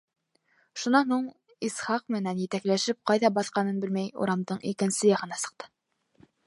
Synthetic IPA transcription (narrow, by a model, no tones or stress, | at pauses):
ʃunɑnhuɴ | isχɑq̚mɘ̆nænjɘ̆t̪æklæʃɘp̚qɑjðɑbɑθqɑnɤnbɘlmæjṵɾɑmd̪ɤɴʔḭkɘ̆nsɘjɑʁɤ̆nɑsɤ̥̆q̚t̪ʰɤ̥